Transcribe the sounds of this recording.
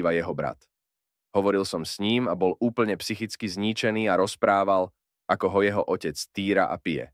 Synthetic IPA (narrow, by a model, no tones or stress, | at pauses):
ʋajɛɦɔbɾa̰t̪ | ɦɔʋɔɾilˠsɔmsɲiːmabɔlʔuːpl̩ɲɛpsixit͡skizɲit͡ʃɛniːaɾɔspɾaːʋal | ʔakɔɦɔjɛɦɔʔɔcɛt͡st̪iːɾa̰ʔa̰pijɛ̰